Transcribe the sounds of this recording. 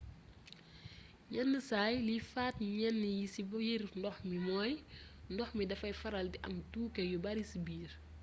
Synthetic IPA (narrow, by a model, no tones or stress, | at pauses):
jɛnːəsaːjlifaːtɲɛnːəjisibɐjirndɔxmimɔːj | ndɔxmidɐfɐjfɐɾɐldiʔɐmtuːkɛjubɐɾisibiːr